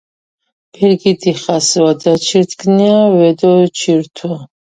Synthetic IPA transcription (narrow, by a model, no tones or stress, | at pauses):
pʰiɾɡid̪iχaswad̪at͡ʃʰiɾt̪ʰkniavɛd̪ɔt͡ʃʰiɾt̪ʰwa